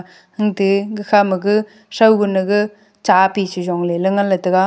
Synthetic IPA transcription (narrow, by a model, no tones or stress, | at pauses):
hɯŋdɯɡɯkʰamɯɡɯ | sawɡɯnɯɡɯ | t͡ʃapit͡ʃizɔŋlelɯŋalɐtɯɡa